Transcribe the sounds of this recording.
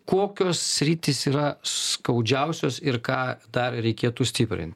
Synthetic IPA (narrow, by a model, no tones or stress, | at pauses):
koːkʲoːssʲɾʲiːt̪ʲɪsiːɾɐsskɐʊd͡ʒʲɛʊsʲoːsɪrkɑːd̪ɐrɾʲɛɪkʲiːt̪usʲt̪ʲɪpʲɾʲɪ̰nʲt̪ʲ